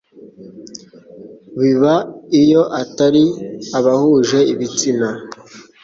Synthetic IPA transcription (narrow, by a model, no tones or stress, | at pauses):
βiβaijo̞ʔataɾiaβahuʒe̞iβit͡sina